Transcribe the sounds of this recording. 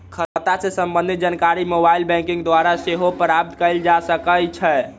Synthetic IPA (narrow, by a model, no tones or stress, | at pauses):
kʰət̪asesəmbə̃nd̪ʱit̪̚d͡ʒankaɾimobailbɛ̃ŋkĩŋɡd̪waɾaseɦopɾab̚t̪kəɪld͡ʒasəkəlt͡ʃʰɛ